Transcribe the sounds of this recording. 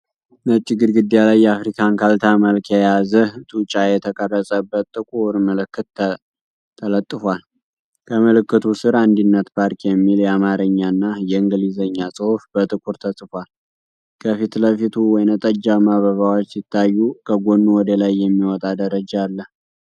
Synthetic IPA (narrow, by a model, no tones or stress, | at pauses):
nət͡ʃʼːɪɡɨɾɡɨd̪ːjalajːɛafɾikʰankʰalt̪ʰaməlkjɛjazəht̪ʼut͡ʃʼajɛt̪ʰəkʼərːəsʼəbːət̪t̪ʼːɨkʼuɾməlɨkːɨt̪ | t̪ʰːələt̪ʼːɨfwal | kʰəməlɨkːɨt̪ʰusɨɾand̪inːət̪pʰaɾkjɛmːiljɛamaɾəɲːanːajɛɨŋɡɨlizəɲːasʼɨhufbət̪ʼɨkʼuɾt̪ʰəsʼɨfʷal | kʰəfit̪ləfit̪ʰuwɔjnət̪ʼəd͡ʒaβmaβəβawot͡ʃːsɪt̪ʰːajːukʰəɡonːuwɔd̪elajːɛmːiwɔt̪ʼad̪əɾəd͡ʒaːlːəh